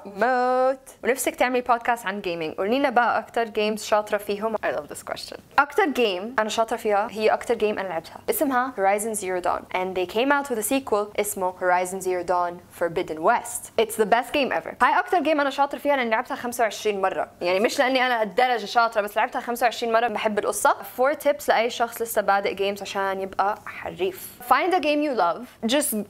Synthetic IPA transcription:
mot̪wnæfsæk̚t̪eʕmelpʰɑːd̪̚kæːst̪ʕanɡeːmɪ̃ŋɡʔṵːliːnæbæʔæʔɑkt̪ɑɾˤɡeːmz̥ʃɑːt̪ˤɾˤɑfiːɦomʔɑjlʌ̰vðɪ̰skwɛ̰st͡ʃə̰̃nʔɑkt̪ɑɾˤɡẽːmʔænæʃɑːt̪ˤɾˤɑfiːhæhɪjːæʔɑkt̪ɑɾɡẽːmʔænælʕab̚t̪hæʔɪsmɦæhoɹɑjzə̃nziɹod̪ɑ̰̃ːnʔæ̃nðeːkʰẽːmawt̪wɪðsiːkwəlʔɪsmohoɾajzə̃nziɹod̪ɑnfɔɾbɪd̪nwɛst̪ʔɪtsðəbɛst̪̚ɡ̥ẽːmʔɛ̰və̰hajʔɑk̚t̪ɑɾˤɡeːmʔænæʃɑːt̪ˤɨɾˤɑfiːhælʔɪnːɪlʕɪbt̪hæxamsawʕɪʃɾiːnmɑrˤːɑ̰jaʕnimɪʃlɪʔanːiʔænæʔæt̪̚d̪ɑɾˤɑd͡ʒʃɑːt̪ɾɑbæsːlʕabt̪hæxamsawʕeɪʃɾiːnmɑrˤːɑbɪħebːɪlʔosˤːɑfoːɾt̪ʰɪpslɪʔæjːʃɑxsˤlɪsːæbaːd̪ɪʔɡeːmzʕaʃæːnjɪbʔæħa̰rːiːf | fãjnd̪əɡẽːmjulɐvd͡ʒɑst̪

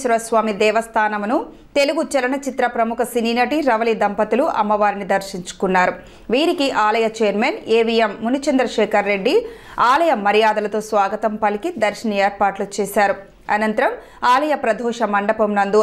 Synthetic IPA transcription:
ʃɐɾɐsʋaːmid̪ɛːʋɐst̪ʰaːnɐmunu | t̪e̞luɡut͡ʃɐlɐnɐt͡ʃit̪ɾɐpɾɐmukʰɐsiniːnɐʈiɾɐʋɐlid̪ɐmpɐt̪uluʔɐ̰mːɐʋaːɾinid̪ɐɾʃiɲt͡ʃu̥kunːaːɾu | ʋiːɾikiʔaːlɐjɐt͡ʃeːɾmeːneːʋijemːunut͡ʃɐnd̪ɾɐʃɛːkʰɐɾːe̞ɖːiaːlɐjɐmɐɾijaːd̪ɐlɐt̪oːsʋaːɡɐt̪ɐmpɐlikid̪ɐɾʃɐnɐeːɾpaːʈlut͡ʃeːsaːɾu | ɐnɐnt̪ɐɾɐm | aːlɐjɐpɾɐd̪ʱɔːʂɐmɐɳɖɐpɐmnɐnd̪u

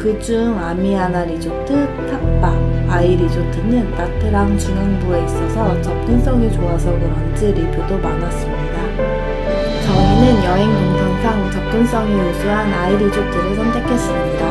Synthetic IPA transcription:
kɯd͡ʑuŋamiɦanaɾid͡ʑot͈ʰɯtʰak̚p͈aaiɾid͡ʑotʰinɯntatʰɯɾaŋt͡ɕunɦeŋbue̞is͈ʌsʰʌt͡ɕʌp̚k͈ɯns͈ʌŋit͡ɕoasʰʌkɯɾʌnd͡ʑeɾipʰjodomanas͈ɯmɲida | t͡ɕʌinɯnjʌɦe̞ŋɯndɯŋsʰaŋt͡ɕʌp̚k͈ɯns͈ʌŋiusʰuɦanaiɾid͡ʑot͈ɯɾɯɭsʰʌnd͡ʑakʰe̞s͈ɯmɲida

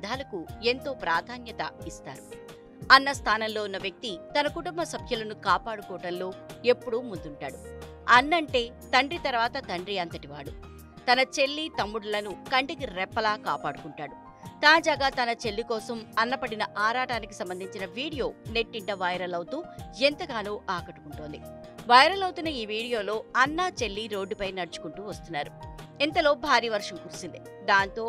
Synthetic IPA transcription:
d̪ʱaːlɐkue̞nt̪o̞ːpɾaːd̪ʱaːnjɐt̪ɐ̰ist̪a̰ːɾu | ɐnːɐst̪ʰaːnɐmlo̞ːunːɐʋjɐk̚t̪it̪ɐnɐkuʈumbɐsɐbʱjulɐnukaːpaːɽukɔːɐɽɐmlo̞ːe̞pːuɽumund̪uɳʈa̰ːɽu | ɐnːɐɳʈe̞ː | t̪ɐɳɖɾit̪ɐɾʋaːt̪ɐt̪ɐɳɖɾiɐnt̪ɐʈiʋaːɽu | t̪ɐnɐt͡ʃe̞lːit̪ɐmːuɽulɐnukɐɳʈikiɾɛpːɐlaːka̰ːpaːɽukuɳʈaːɽu | t̪aːd͡ʒaːɡaːt̪ɐnɐt͡ʃe̞lːikɔːsɐmɐnːɐpɐɽinɐʔaːɾaːʈaːnikisɐmbɐnd̪ʱiɲt͡ʃinɐʋiːɽijo̞ːneʈːiɳʈɐʋɐjɾɐlɐwt̪uːent̪ɐɡaːnuːʔaːkɐʈu̥kuɳʈoːnd̪i | ʋɐjɾɐlɐwut̪unːɐiːʋiːɽijo̞ːlo̞ːɐnːaːt͡ʃe̞lːiɾo̞ːɖːupɐjnɐɽut͡ʃu̥kuɳʈuːʋɐst̪unːaːɾuint̪ɐlo̞ːbʱaːɾiːɐʋɐɾʂɐmkuːɾusind̪i | d̪aːnt̪o̞ː

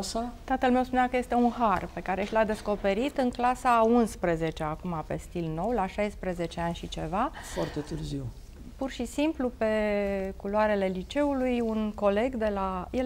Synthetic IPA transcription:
sat̪at̪əlme̞wspunakəje̞st̪e̞unɦarpe̞kaɾe̞ʃlad̪e̞sko̞pe̞ɾit̪ɨŋklasaunspɾeze̞t͡ʃeakumape̞̰st̪ilno̞wlaʃajspɾeze̞t͡ʃe̞anʲʃit͡ʃe̞va | fart̪et̪ɨrziw | purʃisimplupe̞kuloaɾe̞le̞lit͡ʃe̞ulujunko̞le̞ɡd̪e̞lajel

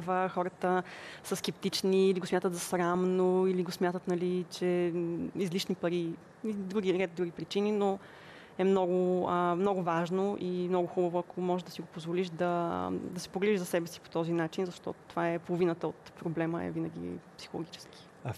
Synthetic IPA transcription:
vəxɔɾət̪əsəskɛpt̪it͡ʃniːliɡosmʲat̪ət̪zɐsɾamnoiliɡosmjat̪ət̪nɐlit͡ʃɛ | izliʃnipɐɾi | id̪ɾuɡiɾɛd̪ɾuɡipɾit͡ʃinino | ɛmnɔɡʊəmnɔɡʊvaʒnoʔimnɔɡʊxubəvʊɐkʰomɔʒɛd̪ɐsiɡopozvoliʃd̪ɐd̪ɐsɛ̥poɡlɛiʒzɐsɛbɛsi̥po̥t̪ɔzinat͡ʃinzɐʃt̪ɔ̰t̪o̥t̪ovaɛpolˠovinət̪əot̪pɾoblɛməɛ̰vinɐɡ̟ḭpsi̥xolˠo̰ɡʲit͡ʃɛ̥ski̥

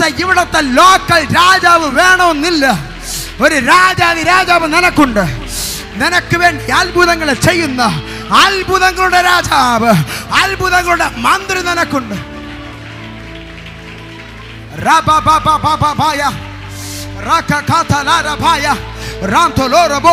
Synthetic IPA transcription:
t̪ːeiʋiɽɐt̪ːelo̞ːkːɐlɾaːd͡ʑaːʋɨʋe̞ːɳɐmenːilːɐ | o̞ɾuɾaːd͡ʑaːʋiɾaːd͡ʑaːʋɨninɐkːuɳɖɨ | ninɐkːɨʋe̞ːɳɖiɐlbʱuðɐŋːɐɭet͡ɕe̞jːunːɐ | ɐlbʱuðɐŋːɐɭuɽe̞ɾaːd͡ʑaːʋɨɐlbʱuðɐŋːɐɭuɽe̞mɐnd̪rininɐkːuɳɖɨ | raːbabʱababʱababʱaːjɐ | raːkakʰaːt̪ʰaːlaːɾɐbʱaːjɐraːnt̪oːloːrɐbo

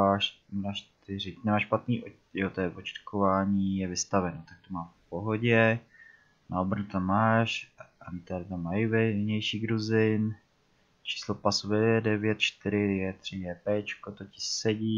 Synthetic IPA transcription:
aːʃ | naʃt̪ɪɾɪnɛmaːʃpat̪niːʔo | jot̪ojɛvot͡ʃɪ̥t̪kʰovaːɲiːjɛvɪst̪avɛnot̪ak̚t̪omaːfpo̞ɦo̞ɟɛ | naobɾanut̪amːaːʃant̪adɪt̪amːajɪvɛɲɛjʃiːɡɾuzɪn | t͡ʃi̥ːslopasuvɛjɛdɛvjɛt̪̚t͡ʃt̪ɪɾɪjɛt̪r̝̥ɪjɛpɛːt͡ʃkot̪ocɪ̥sɛɟiː

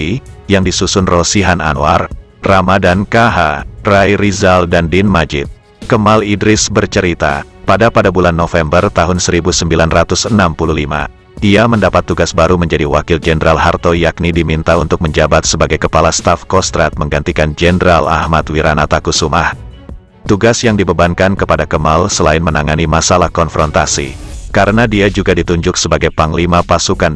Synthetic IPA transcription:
ijaŋdisusʊnrosiɦana̰nwar | ramadankaɦarajɾizaldandɪnmad͡ʒɪt̪̚ | kəmalidɾɪsbərt͡ʃəɾit̪a̰ | padapadabulanːofɛmbərt̪aɦʊnsəɾibusəmbilanrat̪ʊsənampuluhlima̰ | ʔiaməndapat̪ːuɡasbaɾuməɲd͡ʒadiwakɪld͡ʒɛndɾʔalɦart̪ojak̚nidimint̪aunt̪ʊk̚məɲd͡ʒabat̪səbaɡajkəpalast̪afkɔst̪ɾat̪̚məŋɡant̪ikand͡ʒɛnəɾala̰hmat̪wiɾanat̪akusuma̰h | t̪uɡasjaŋdibəbaŋkankəpadakəmalsəlaɪnmənaŋanimasalahkɔnfɾɔnt̪asḭkaɾənadiad͡ʒuɡadit̪uɲd͡ʒʊksəbaɡajpaŋlimapasukan

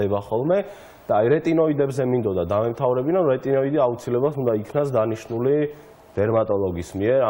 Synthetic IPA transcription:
ɛbaχɔlˠmɛ | d̪̥aːiɾɛt̪ʼinɔid̪ɛbzɛmĩnd̪ɔd̪ad̪amɛmt̪ʰavɾɛbinanɾɛt̪ʼinɔid̪iaut̪sʰilɛbalˠt̪ʰund̪aikʰnasd̪aniʃnuli | d̪̥ɛɾmat̪ʼɔlˠɔɡismiɛɾa

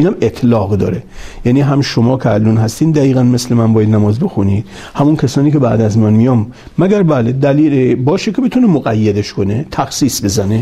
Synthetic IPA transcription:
iːnæmet̪ʰlɒːɣd̪ɒ̰ːɾejæniɦæmʃomɒːkʰeælːunɦæst̪iːnd̪æiːɣænmeslemænbɒːjæd̪næmɒːzbe̞xuniːd̪ | hæmunkʲʰæsɒːniːkʰebæ̰ːd̪æzmænmijɒːmː | æɡæɾbæːled̪æliːlebɒːʃekʲʰebet̪ʰunemoɣæjːed̪eʃkʰo̞net̪ʰæxsiːsbe̞zæne

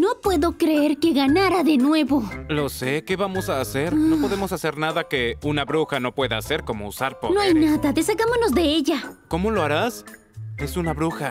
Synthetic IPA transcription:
no̞pwe̞ðo̞kɾeeɾke̞ɣanaɾaðe̞nwe̞βo̞lo̞se̞ke̞βamo̞saːse̞ɾno̞po̞ðe̞mo̞sase̞ɾnaðake̞unaβɾuxano̞pwe̞ðaːse̞ɾko̞mo̞usaɾponoajnaðaðe̞saɣamono̞zðe̞e̞ʝako̞mo̞lo̞aɾas | esunaβɾuxa

